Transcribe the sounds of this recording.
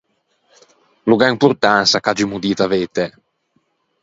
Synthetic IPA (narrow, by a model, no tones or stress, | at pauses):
luɡaimpuɾt̪ansakad͡ʒimud̪iːt̪avet̪ɛ